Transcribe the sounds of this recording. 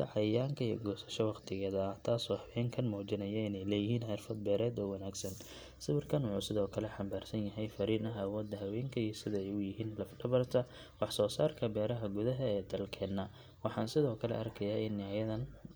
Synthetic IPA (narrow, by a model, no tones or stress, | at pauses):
d̪ɐ̰ʕɑjaːŋkʰɐḭjːɡɔːsɐ̥ʃɔwɑqt̪ʰɪɣɛːðɐɐht̪ʰaːsɔːħɑwɛːŋkʰɐnmɔːt͡ʃɪnɐjɐɪnɛjlɛjɪɦiːnħɪrfɐd̪̚bɛːɾɛːd̪ɔːwɐnaːɡsɐn | sɪβɪrkʰɐnwʊħuːsɪðɔːkʰɐlɛħɑmbaːrsɐnjɐɦɛjfɐɾiːnɐɦɐwɔːd̪ːɐɦɐwɛːŋkʰɐiːsɪðɐɛjʊjɪɦiːnlɐfɖɐβɐrt̪ʰɐ | wɑħsɔːsaːrkʰɐbɛːɾɐɦɐɡʊðɐɦɐɛːd̪ɐlkʰɛːnːa | wɑħɑːnsɪðɔːkʰɐlɛ̰ʔɐrkʰɐjaːʔɪnːɪajɐðɐn